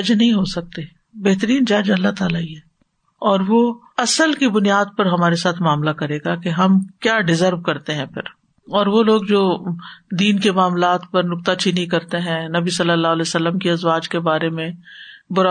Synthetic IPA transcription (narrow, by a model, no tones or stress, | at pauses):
ɐd͡ʒnɐɦĩɦosɐk̚t̪e | bɛɦt̪əɾiːnd͡ʒɐd͡ʒɐlːaɦt̪aːlaiɦɛː | ɔːɾʋo | ɐsəlkibʊnijaːd̪̚pɐɾɦɐmaːɾesaːt̪ʰmaːmlakɐɾeːɡakeɦɐmkjaːɖɪzəɾʋkɐɾt̪eɦɛ̃pʰɪ̰ɾ | ɔːɾʋoloːɡd͡ʒoːd̪iːnkemaːmlaːt̪pɐɾnʊk̚t̪at͡ʃinikɐɾt̪eɦɛ̃nɐbisɐlːəlːaːɦlɛːsɐlːəmkiɐzwaːd͡ʒkebaːɾemẽbʊɾa